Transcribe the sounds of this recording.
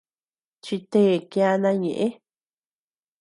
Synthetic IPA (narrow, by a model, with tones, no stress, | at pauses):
t͡ʃi˧t̪e˦˨kja˧nã˧ɲẽ˨ʔẽ˦